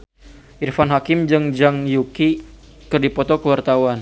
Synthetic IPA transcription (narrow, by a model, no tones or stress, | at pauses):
ʔirfanɦakɪmd͡ʒəŋd͡ʒaŋjuki | kərdipɔt̪ɔkəwart̪awan